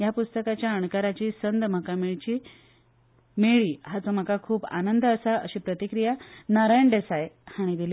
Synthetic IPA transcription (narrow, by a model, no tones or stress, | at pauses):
japust̪əkat͡ɕjaəɳkaɾat͡ɕiːsənd̪m̤əkameɭt͡ɕiː | meɭiːɦat͡sɔm̤əkakʰuːba̰nənd̪əsaə̰ɕiːpɾət̪ikɾijanaɾajəɳɖesajhaɽ̃id̪il